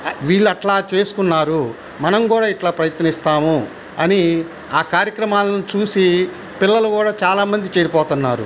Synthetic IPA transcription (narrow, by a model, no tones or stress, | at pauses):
ʋiːɭːuɐʈlaːt͡ʃe̞ːsu̥kunːaːɾu | mɐnɐmkuːɽaːiʈlaːpɾɐjɐt̪nɐnist̪aːmu | ɐni | aːkaːɾjɐkɾɐmaːlɐnut͡ʃuːsi | pilːɐlukuːɽaːt͡ʃaːlaːmɐnd̪it͡ʃeːɽipɔːt̪unːaːɾṵ